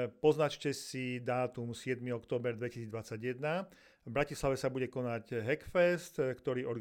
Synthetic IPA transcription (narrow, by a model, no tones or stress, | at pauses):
pɔznat͡ʃcɛsid̪aːt̪umsɪɛd̪miɔkt̪ɔːbɛɾd̪ʋɛcisiːd͡zd̪ʋat͡sːaɟjɛd̪na | vbɾacislaʋɛsabuɟɛkɔnaɟɦɛkfɛst̪kt̪ɔɾiːʔɔɾɡ